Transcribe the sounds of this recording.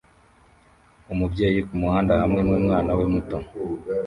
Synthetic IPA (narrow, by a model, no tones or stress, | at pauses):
umubjeːjikumuhaːndahamŋemŋemŋaːnawemuto